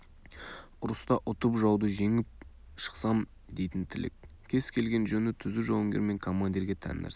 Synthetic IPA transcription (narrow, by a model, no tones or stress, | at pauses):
ʊɾəst̪ɑʔʊt̪əpʒɑwd̪əʒe̞ŋɪp̚ | ʃə̥qsɑm | d̪e̞jt̪ɪnt̪ʰɪlʔḛkʲ | kʲʰe̞z̥kʲʰe̞lɡʲe̞nʒɵnɪt̪ʰʏzɪʒowəŋɡʲeɾme̞ŋkʰo̞mːand̪iɾɡʲe̞t̪ʰæ̰n̰næ̰ɾs